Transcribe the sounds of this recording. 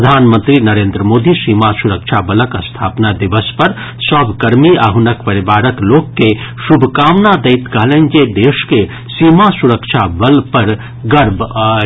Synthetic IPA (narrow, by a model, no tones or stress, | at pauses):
d̪ʱaːnmə̃nt̪ɾinɐɾeːnd̪ɾəmoːd̪isiːmasuɾəkʃʰabələkəst̪ʰaːpnad̪iʋəspɐɾ | sɐbʱkɐɾmiaɦunəkpɐɾibaːɾəkloːkːesubʱkaːmnad̪əɪt̪kəɦlẽnd͡ʒed̪eːʃke | siːmasuɾəkʃʰabəlpɐɾ | ɡɐɾb